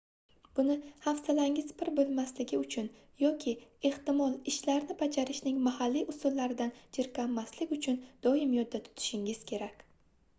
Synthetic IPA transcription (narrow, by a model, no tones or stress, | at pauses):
b̥ʊnɪhafsalaŋʲɪzpʰɪɾbolˠmaslɪɡʲɪʊt͡ʃʰʊn | jɒkʲʰɪe̞ht̪ɪmɒlˠɪʃlaɾnɪbad͡ʒaɾɪʃnɪŋmahalːiʔʊsʊlːaɾɪd̪and͡ʒɪɾkʲamːaslɪkʲʊt͡ʃʰʊnd̪̥ɒɪmjɒd̪̚ːat̪ʰʊ̥t̪ʰɪ̥ʃɪŋɪz̥kʲʰe̞ɾakʲ